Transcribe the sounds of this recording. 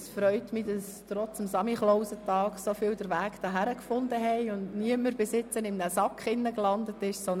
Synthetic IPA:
sfɾœʏtmidɑs | tɾɔt͡səmsɑmiχlɔʊsətɑːksofiːldəɾʋæːkd̥ɑɦæɾəkfʊndəɦɛɪʊndniəməɾbɪsɪt͡sənɪmnəsɑkχɪnːəklɑndətɪʃsɔn

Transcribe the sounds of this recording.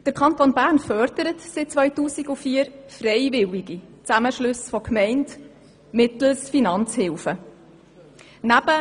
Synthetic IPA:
d̥əɾkʰɑntonbæːɾnfœɾdəɾətsɪt̚t͡sʋœʏtuːsiɡufiːəɾfrɛɪvɪliɡit͡sæməʃlɵsfɔkʰmɛɪnt | mɪtl̩sfinɑnt͡shɪlfə | næb̥ə

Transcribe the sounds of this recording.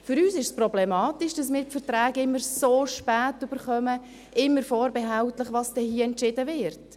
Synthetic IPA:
fʏɾyːsɪʃsprɔblɛmɑːtɪʃd̥ɑsmɪːɾpfɛtɾaːɡɪmːəɾsoːʃpæːtʏb̥əɾχœmə | ʔɪmːəɾfɔːɾbɛɦaʊtləχʋɑsd̥ɛhiːəɛntʃɪdəvɪɾt

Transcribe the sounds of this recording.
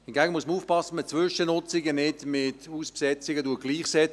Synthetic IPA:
hɪnɡæɡənmuəsməuːfpɑsəmət͡sʋʏʃənʊt͡sɪɡənɪtmɪtuːspsɛt͡sɪɡəduəɡ̥liːχsɛt͡s

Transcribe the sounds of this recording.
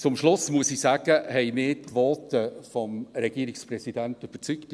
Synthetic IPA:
t͡sʊmʃlʊsmuəsisæːɡ̥əhɛɪmɪːtkʋɔːtəfɔmɾɛɡ̥iəɾɪksprɛsidænt̪yb̥ət͡sykt̪

